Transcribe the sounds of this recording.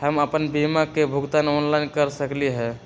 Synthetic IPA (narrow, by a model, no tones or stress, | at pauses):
həməpənbimakebʱuɡt̪anɔnlaɪnkəɾsəkliɦɛ